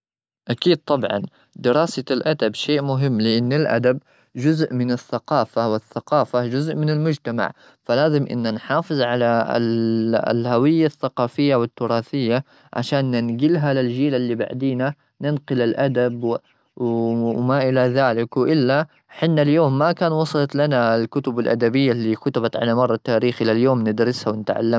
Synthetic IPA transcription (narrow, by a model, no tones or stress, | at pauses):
ʔakiːd̪̚t̪ˤɑbʕɑ̰n | d̪ɪɾɑːsalʔad̪abʃeːʔmʊɦɪmːlɪʔanːɪlʔa̰d̪ab̚ | d͡ʒʊzʔmɪnɪθːaqɑːfawɪθːaqɑːfad͡ʒʊzʔmɪnɪlmʊd͡ʒt̪ama̰ʕ | falaːzɪmʔɪ̰nːanħɑːfɨðˤʕala̰ | lhawɪjːaθːaqɑːfɪjːawɪt̪ːʊɾˤɑːθɪjːa | ʕa̰ʃaːnːɪnɡɪlɦalɪld͡ʒiːlalːiba̰ʕd̪iːna | nɪnqʊlɪlʔad̪abw | wmaʔɪlaðaːlɪkwʔɪlːa | ħɪnːaljoːmːakaːnwɑsˤɑlɑt̪lanalkʊt̪ʊbalʔa̰d̪abɪjːalːiːkʊt̪ɪbat̪ʕa̰lamɑrˤːɑt̪ːaːɾiːxʔɪlaljoːmnɪd̪ɾɪshawɪnɪt̪ʕa̰lːam